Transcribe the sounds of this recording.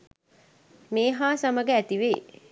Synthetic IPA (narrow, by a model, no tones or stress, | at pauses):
meːɦaːsaməɡəæt̪iʋeː